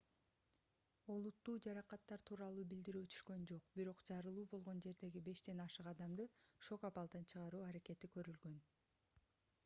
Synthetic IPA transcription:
o̞lˠut̪ːuːd͡ʒɑɾɑqɑt̪ːɑɾt̪ʰuːɾɑlˠuːbild̪iɾyːt̪ʰy̥ʃkø̞nd͡ʒo̞qbiɾo̞qd͡ʒɑɾɯlˠuːbo̞lˠʁo̞nd͡ʒe̞ɾd̪e̞ɡibe̞ʃd̪e̞nɑʃɯqɑd̪ɑmd̪ɯʃo̞kɑpɑlˠd̪ɑnt͡ʃʰɯʁɑɾuːɑɾeke̞t̪ikø̞ɾylɡø̞n

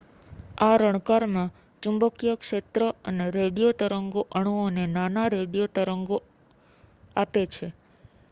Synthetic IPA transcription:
aɾəɽ̃kaɾmã | t͡ʃũmbəkijəkʂet̪ɾəəneɾeɽijot̪əɾəŋɡoʔəɳ̃uonenanaɾeɽijot̪əɾəŋɡo | apet͡ʃʰe

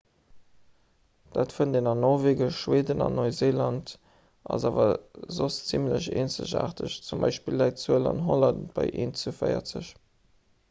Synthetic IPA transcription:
d̥aːtfundenɑnːɔʁveːɡəʃʃweːdənɑ̰nːoɪzeːlɑnt | ɑzaːvɐzost͡simləʑeːnt͡sə̰ʑa̰ːʁtʰəɕt͡sumbɑɪʃpilːɑɪtt͡suəlɑ̰nɦolɑntb̥ɑɪʔeːnt͡sufəɪɐ̰t͡səɕ

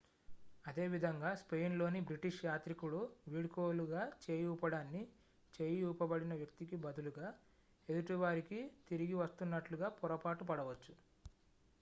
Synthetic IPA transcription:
ɐd̪e̞ːʋid̪ʱɐŋɡaːspe̞jnlo̞ːnibɾiʈiʂjaːt̪ɾikuɭuʋiːɽkoːluɡaːt͡ʃe̞ːjuːpɐɽaːnːi | t͡ʃe̞ːjuːpɐbɐɽinɐʋjɐk̚t̪ikibɐd̪ʱuluɡaː | ed̪uʈiʋaːɾikit̪iɾiɡiʋɐst̪unːɐʈluɡaːpɔɾɐpaːʈupɐɽɐʋɐt͡ʃːu

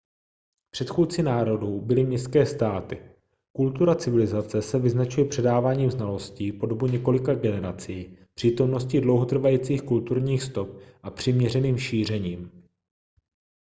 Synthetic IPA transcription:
pr̥ɛt̪xuːt͡sɪnaːɾo̞duːbɪlɪmɲɛst̪kɛːst̪aːt̪ɪ | kult̪uɾat͡sɪvɪlɪzat͡sɛsɛvɪznat͡ʃujɛpr̥ɛdaːvaːɲiːmznalo̞sciːpo̞do̞buɲɛko̞lɪkaɡɛnɛɾat͡sijiːpr̥iːt̪o̞mno̞scɪdlo̞wɦot̪r̩vajiːt͡siːxkult̪uɾɲiːxst̪o̞p̚ʔapr̝̥ɪmɲɛrɛniːmʃiːr̝ɛɲiːm

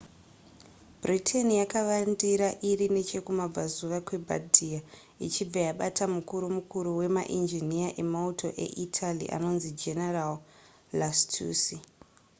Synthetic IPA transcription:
britʰenijakaʋandiɾaʔiɾine̞t͡ʃe̞kumab͡vazuʋakwe̞bʱa̰dʱia | it͡ʃib͡vajaɓatamukuɾumukuɾuwe̞ma̰ʔind͡ʒiniaʔe̞mautʰo̞ʔe̞̰ʔitʰalḭʔa̰no̞nzid͡ʒe̞neral | lastʰuːsi

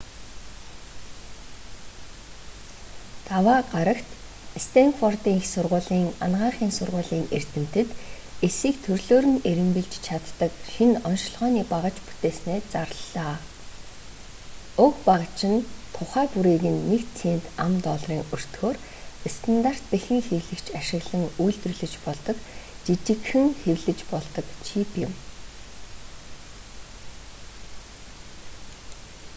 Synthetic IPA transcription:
t̪awaːɢaɾə̆kt̪ | st̪ʰeŋfɔrt̪iːŋxsʊrʁʊːɮiːŋa̰nɢaːɴχiːŋsʊrʁʊːɮiːŋer̥t̪ɘ̆m̥t̪ɘ̆t̪ | esiːkt̪ʰɵrɮoːɾɘ̆neɾɘ̆mpɘ̆ɮt͡ɕt͡ɕʰat̪ːə̆kʃinɔnʃ̆ɮʁœːniːpaʁə̆t͡ɕpu̥t̪eːsneːt͡sarɮaː | ɵkpaʁə̆t͡ɕɪ̆nt̪ʰʊχæːpuɾeːɣɘ̆nːekt͡sʰeːnt̪amt̪ɔɮriːŋɵr̥t̪xoːr | est̪ʰant̪ar̥t̪̚pexɘ̆ŋxewɮɘ̆kt͡ɕʰaʃɪ̆ɣɮə̆ŋujɮt̪rɵ̆ɮɵ̆t͡ɕpɔɮt̪ɞ̆k | t͡ɕit͡ɕɪ̆kxɘ̆ŋxewɮɘ̆t͡ɕpɔɮt̪ɞ̆kt͡ɕʰipjɪ̆m

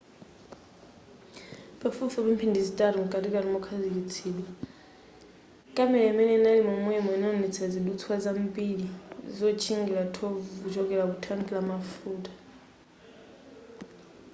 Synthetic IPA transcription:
pafufuβum̩pʰindizitʼaɾɔŋ̩kʼatikaɾimɔkʰazilit͡sʰiːɗwa | kʼamɛlɛimɛnɛnalimɔmwɛmɔinɔnɛt͡sʰiad͡ziɗut͡sʰwazambʼiɺizɔt͡ʃʰiŋɡiɺatʰɔvut͡ʃʰɔkʼɛlakutʰaŋkʼilamafuːtʼḁ

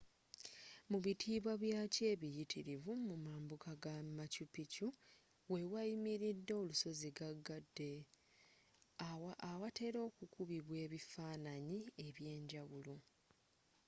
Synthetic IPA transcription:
muβitʰiːβwaβjaːce̞ːβijitʰiɾivumumaːmbukaɡamacupicu | we̞wajimiɾidːo̞ːluso̞ziɡaɡːadːe̞ | awate̞ɾo̞ːkukuβiβwe̞ːβifaːnaɲie̞βje̞ːɲɟawulo

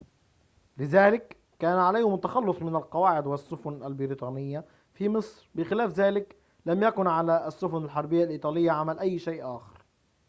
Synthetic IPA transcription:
lɪðaːlɪkː | aːnʕalajːhɪmt̪ːaxɑlːʊsˤmɪnalqɑwaːʕɪd̪wɪsːʊfʊnalbɪɾit̪ˤɑːnɪjːa | fimɨsˤɾbɪxɪlaːfðaːlɪk | lamjakʊnʕalaʔsːʊfʊnalħɑɾˤbɪjːalʔiːt̪ˤɑːlɪjːaʕamalʔajːʃajːʔʔaːxɪ̥ɾ

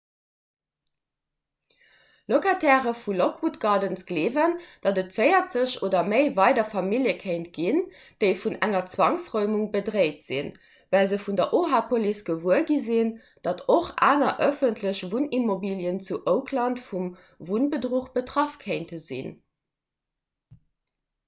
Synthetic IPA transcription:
lokatʰɛːʁəfulokwutɡɑːdənsɡ̥leːvənd̥ɑdətfɜɪɐtz̥əɕoːdɐməɪvɑɪdɐfɑmiljəkʰeɪntɡ̥in | d̥əɪfunæŋɐt͡swɑŋsʁɔʏmuŋbədʁeɪtz̥ḭn | vælzəfundɐʔoːɦaːpʰolisɡ̥əvuəɡizin | d̥ɑtʰoχʔa̰ːnɐʔəfəntʰləɕvunimobiljənt͡suʔəʊkʰlɑntfum | vunbədʁuχb̥ətʁɑfkʰeɪntəzḭn

